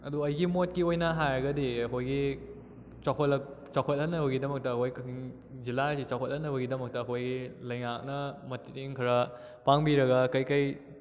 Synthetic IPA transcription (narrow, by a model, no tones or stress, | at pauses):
ɐduɐjɡimot̚kiojnɐɦajɾɐɡɐdiɐkʰojɡi | t͡ʃakʰotɐkt͡ʃawkʰot̚hɐnːɐbɐɡidɐmɐk̚tɐːkʰojkɐiŋ | zilasit͡ʃawkʰot̚hɐnːɐβɐɡidɐmɐk̚tɐːkʰojɡilɐjŋak̚nɐmɐtitiŋkʰɐɾɐ | paŋbiɾɐɡɐkɐjkɐj